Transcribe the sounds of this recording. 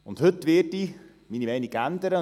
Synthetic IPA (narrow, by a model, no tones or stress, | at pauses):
ʊnthɵtʋɪːrti | miːnimɛɪnɪkændəɾə